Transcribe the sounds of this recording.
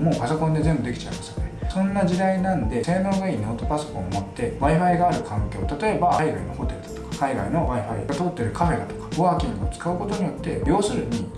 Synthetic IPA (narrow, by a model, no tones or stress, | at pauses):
mo̞ːpaso̞kond̪e̞zẽ̞mbɯ̟d̪ekʲi̥t͡ɕa̰ɯmasḁknesõ̞nːaʑid̪ainãnd̪e̞se̞ːnõ̞ŋɡaiːnoːt̪o̞paso̞̥kõ̞mot̪ːe̞βaiɸaiɡaːɾɯ̟kʰãŋkʲo̞ːt̪at̪o̞e̞baiɡa̰ino̞̰ho̞t̪e̞ɾɯ̟d̪ḁt̪o̞̥kḁkaiɡa̰ino̞βaiɸaḭat̪o̞ːt̪ːe̞ɾɯ̟kʰaɸe̞ɾa̰t̪o̥kḁɡoβakʲĩŋɡɯ̟ot͡sɨ̥kaɯ̟ko̞t̪o̞ɲ̟ijo̞t̪ːe̞bʲjo̞ːsɨɾɯ̟ɲ̟i